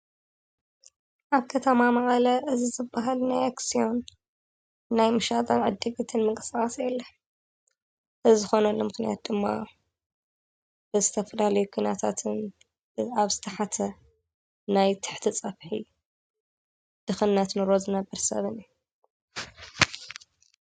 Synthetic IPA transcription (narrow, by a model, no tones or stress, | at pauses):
ʔaβkʰɐt̪ʰɐmamɐʔʼɐlɐʔɨzizɨbːaɦalnajaksijo̞n | najmɨʃat̪ʼɐnʕɨd̪ːɨɡɨt̪ʰɨnmɨkʼɨsɣʼasjɛlːɐ | ʔɨzɨxo̞nɐlːomɨxnijat̪̚d̪ɨmːa̰ | bɨzɨt̪ʰɐfɐlalɐjukʰunat̪ʰat̪ʰɨn | aβz̥ɨt̪ʰɐħat̪ʰɐ | najt̪ʰɨ̥ħt̪ʰit͡sʼɐβħḭ | d̪̥ɨxɨnːat̪nɨɾozɨnɐbːɐɾsɐ̰βɨni